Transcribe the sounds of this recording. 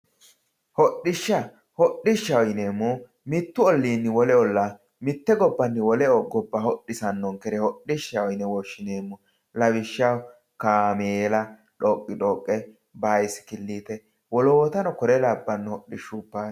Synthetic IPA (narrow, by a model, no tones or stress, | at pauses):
hɔɗːɪʃːɐ | hɔɗːɪʃːɐwɔjneːmːɔ | mɪt̪ːʊɔlːiːnːɪwɔlɛɔlːa | mɪt̪ːɛɡɔbːɐnːɪwɔlɛɔɡɔbːɐhɔɗːɪsɐnːɔŋkɛɾɛhɔɗɪʃːɐwjnɛwɔʃːɪneːmːɔ | lɐwɪʃːɐw | kaːmeːlɐ | ᶑɔːkʼːɪᶑoːkʼːɛ | baːjsɪ̥kɪlːiːt̪ɛ | wɔlɔwɔt̪ɐnɔkɔɾɛlɐbːɐnːhɔɗːɪʃːupːaː